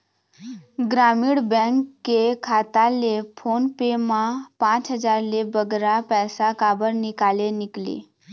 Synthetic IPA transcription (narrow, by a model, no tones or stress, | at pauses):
ɡɾamiːɽbɛ̃ŋkːekʰat̪alefonpemapãt͡sɦəd͡zaɾlebəɡɾapɛsakabəɾnikaleniklḛ